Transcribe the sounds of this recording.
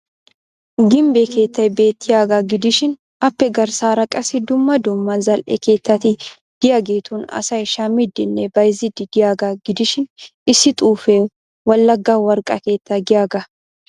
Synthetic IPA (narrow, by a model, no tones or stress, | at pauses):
ɡɪmbeke̞ːt̪ːɐjbe̞ːt̪ːɪjaːɡaɡɪd̪ɪʃɪn | ɐpːɛɡɐɾsaːɾɐkʼɐsɪd̪ʊmːɐd̪ʊmːɐzɐlʔɛ̰ke̞ːt̪ːɐt̪ɪ | d̪̥ɪjaɡeːt̪uːnɐ̰sɐɪʃamɪd̪ːɪnːɛbɐjzɪd̪ɪd̪ɪjaːɡaɡɪd̪ɪʃɪnɪsɪt̪ʼuːfɛ | wɐlːɐɡːaːwɐɾkʼɐ̰ke̞ːt̪ːɐɡɪjaːɡɐ